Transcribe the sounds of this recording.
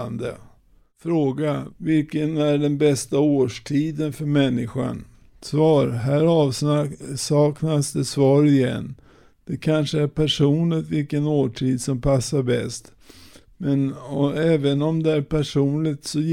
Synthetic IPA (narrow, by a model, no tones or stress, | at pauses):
nd̪ə̰ | fɾoːɡavɪlkənæɖɛnbɛst̪aoːʂʈʰiːd̪ənfœɾmɛnːɪɧa̰n | svɑːɾɦæːɾɑːvssɑːknasd̪ɛsvɑːɾɪjɛ̰nː | d̪̥ɛkʰanʂəæɾpʰæʂuːnlɪɡt̪vɪlkənoːʈʰiːd̪sɔmpʰasːaɾbɛ̰st̪ | mɛnɔɛːvənɔmd̪ɛæɾpʰæʂuːnlɪɡt̪sɔj